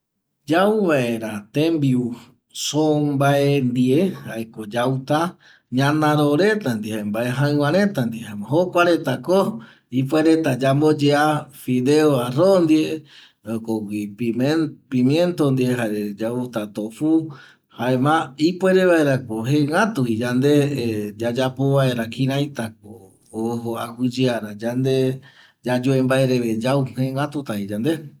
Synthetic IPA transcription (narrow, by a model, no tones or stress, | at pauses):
d͡ʒauβae̞ɾat̪embiu | sombaend̪iehaekod͡ʒawt̪a | ɲãnãɾoɾe̞t̪and̪ihaembaeɦãɨ̃wãɾẽt̪and̪ihaemaɦokʷaɾe̞t̪ako | ip̬weɾet̪ad͡ʒambod͡ʒeafiðeoarond̪ie | okoɡipiepimjẽnt̪ond̪ieɦaed͡ʒaut̪at̪ofu | haemãipweɾeβaeɾakoɦeŋɡat̪uid͡ʒand̪ed͡ʒad͡ʒapoβae̞ɾakĩɾajt̪ak̚oː | ɦoahɨd͡ʒiaɾad͡ʒand̪e | d͡ʒad͡ʒoembaeɾeβed͡ʒawhẽŋat̪ut̪aid͡ʒand̪e